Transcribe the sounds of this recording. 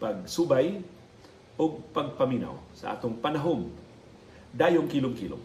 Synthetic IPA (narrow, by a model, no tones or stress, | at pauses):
pɐɡ̚subaj | ʔoɡ̚pɐɡ̚pɐmiːna̰wsɐ̰ʔa̰ːt̪oŋpɐnɐɦoŋ | d̪aːjoŋkiːlʊŋkilo̰